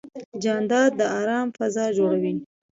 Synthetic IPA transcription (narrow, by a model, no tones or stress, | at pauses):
d͡ʒɑnd̪ɑd̪̚d̪əɑɾɑmfazɑd͡ʒoɽawi